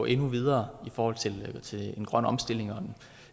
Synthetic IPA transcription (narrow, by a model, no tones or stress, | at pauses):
ʔe̝nuʋið̞ˠɐːifɒːhɒ̽l̰t͡sʰe̝lt͡sʰe̝e̝nɡ̥ʁɶn̰ɒ̽msd̥e̝l̰e̝ŋɒ̽d̥en